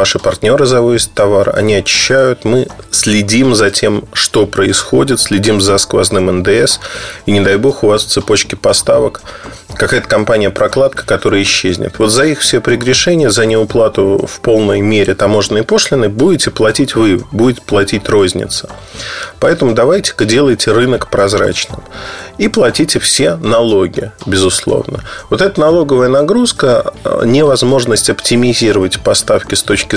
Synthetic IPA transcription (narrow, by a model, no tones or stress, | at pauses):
aʂɨpɐrt̪ʲnʲo̞ɾɨzɐvosʲɪ̥t̪ːɐvarɐ̰nʲiɐt͡ɕɪ̥ɕːæjʊt̪mɨsʲlʲɪdʲimzɐtʲe̞mʂt̪o̞pɾəɪsxo̞dʲɪt̪sʲlʲɪdʲimzɐskvɐ̰znɨmənd̪ɨɛsinʲɪd̪ɐjbo̞xʊvasft̪sɨpo̞t͡ɕkʲɪpɐst̪avək | kɐkajət̪əkɐmpanʲɪjəpɾɐklˠat̪̚kə̥kɐt̪o̞ɾɨjəɪɕːezʲnʲɪ̰t̪vo̞t̪zɐixfsʲepɾʲɪɡɾʲɪʂɛnʲɪjəzənʲɪʊplˠat̪ʊfpo̞lˠnəjmʲeɾʲɪt̪ɐmo̞ʐnəjpo̞ʂlʲɪnːəjbudʲɪtʲɪplˠɐtʲitʲvɨbudʲɪtʲɪ̥plˠɐtʲitʲrozʲnʲɪ̰t̪sə̥ | pɐɛt̪əmʊd̪ɐvajtʲɪ̥kdʲe̞lˠəjtʲɪrɨnəkpɾɐzɾa̰t͡ɕnɨmiplˠɐtʲitʲɪfsʲe̞nɐlˠo̞ɡʲɪ̰bʲɪzʊslˠo̞̰vnə̰vo̞t̪ɛt̪ənɐlˠo̞ɡəvəjənɐɡɾuskənʲɪvɐzmo̞ʐnəsʲtʲɐptʲɪmʲɪzʲiɾəvətʲpɐst̪afkʲɪst̪o̞t͡ɕkʲɪ